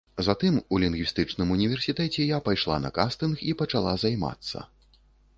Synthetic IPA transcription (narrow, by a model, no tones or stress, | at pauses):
zat̪ɨmulʲinɡʲvʲist̪ɨt͡ʂnɨmunʲivʲɛrsʲit̪ɛt͡sʲɛjapajʂlˠa̰nɐ̰kast̪ɨnxipɐt͡ʂalˠazajma̰t̪sːɐ̰